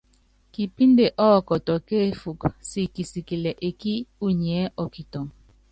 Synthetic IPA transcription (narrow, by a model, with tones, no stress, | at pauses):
ki˨pi˦nde˨ʔɔ˦ɔ˦kɔ˨tɔ˨ke˦˨fu˨ksi˨ki˨si˨ki˨le˨ʔe˨ki˦u˦ɲ˨ɛ˨˦ʔɔ˨ki˨tɔ˨ŋ